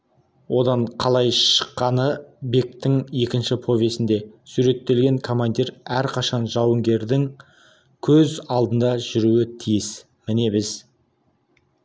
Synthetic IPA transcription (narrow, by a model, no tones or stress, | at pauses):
wʔo̞d̪ɑɴqʰɑlˠɑjʃə̥qːɑnəbe̞k̚t̪ːɪŋje̞kʲɪnʃɪpʰo̞vʲe̞sɪnd̪e̞suɾe̞t̪ːe̞lɡʲe̞ŋkʰo̞mand̪iɾæɾqʰɑʃɑnʒɑwəŋɡʲe̞ɾd̪ɪŋ | kʲʰɵzɑlˠd̪ənd̪ɑʒʏɾuwɪt̪ʰijɪs | mɪne̞bɪz